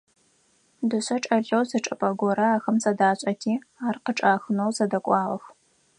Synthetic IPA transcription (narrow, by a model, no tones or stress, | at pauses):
dɨɕʷɐʈ͡ʂʼɐɮɐwzɐʈ͡ʂʼɐpʼɐɡʷɔɾɐaːxɐmsɐdaːɕʼɐtʰiː | aːrqəʈ͡ʂʼaːxɨnowzɐdɐkʷʼɑːʁɐx